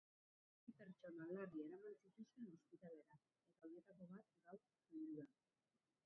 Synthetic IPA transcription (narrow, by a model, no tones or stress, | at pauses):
βipeɾt͡ʃo̞nalarieɾamant͡sit̪usenuspit̪ale̞ɾa | et̪aonet̪ako̞β̞at̪̚ɡaw | enɾua